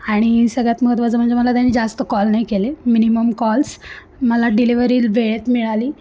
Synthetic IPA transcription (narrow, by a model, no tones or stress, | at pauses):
aɽ̃isəɡɭjat̪məɡət̪ʋad͡zəm̤əɳd͡ʑeməlat̪janːiːd͡zast̪əkɔlnajkeleminiməmkɔls | məlaɖiliʋəɾiːlʋeɭet̪miɭaliː